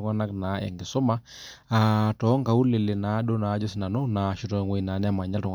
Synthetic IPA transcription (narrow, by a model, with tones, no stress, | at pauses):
ŋa˦na˦kna˨˦ɛ̰˨ŋɡɪ˨sɔ˦ma˦ | a˨tɔ˨˦ŋka˨u˦le˨lɪ˨na˨˦ɗo˦na˨˦d͡ʒɔ˦sɪ˦na˨no˦na˨ʃu˦tɔ˨ŋwe˨i˨na˨˦nɛ˦a˦ma˨ɲa˦ltɔ˨ŋ